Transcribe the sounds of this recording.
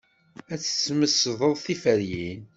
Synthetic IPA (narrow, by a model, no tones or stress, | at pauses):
æt͡sːə̥t͡sːməsðˤəðˤθifəɾjin